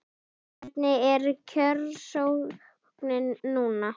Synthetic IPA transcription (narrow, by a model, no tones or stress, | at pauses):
ɛt̪nɪɛɾcʰœɾsowɣ | knɪnːuːna